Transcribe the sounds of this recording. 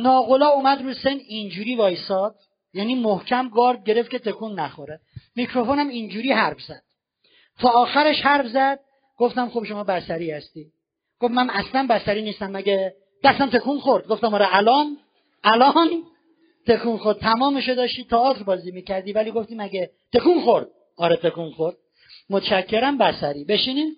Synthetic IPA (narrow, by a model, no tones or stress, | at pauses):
nɒːɣolɒːomæd̪ɾuːsenind͡ʒuːɾiːvɒːjsɒːd̪̥̚ | jæːniːmohcʰæmɡɒːɾd̪̚ɟe̞ɾe̞ft̪kʰet̪ʰe̞kʰuːnːæxoɾe | mikɾo̞fo̞næmind͡ʒuːɾiːhæɾfz̥æd̪̥ | t̪ʰɒɒːxæɾeʃhæɾfzæd̪̚ | ɡ̥o̞ft̪æmχobʃo̞mɒːbæsæɾiːhæst̪iːd̪ | ɡ̥ofmænæslænbæsæɾiːniːst̪æmːæɟe | d̪̥æst̪æmt̪ʰe̞kʰunxo̞ɾd̪̚ɡoft̪æmɒːɾeʔælɒːn | ʔælɒn | t̪ʰe̞kuːnxoɾd̪̚t̪ʰæmɒːmeʃod̪ɒːʃt̪it̪ʰɒːɒːt̪ɾbɒːziːmiːcʰæɾd̪iːvæliːɡoft̪iːmæɟe | t̪ʰe̞kuːnxoɾd̪̥̚ | ɒːɾet̪ʰe̞kunxoɾd̪̥̚ | mot̪ʰeʃækʰːe̞ɾæmbæsæɾiːbe̞ʃiːnim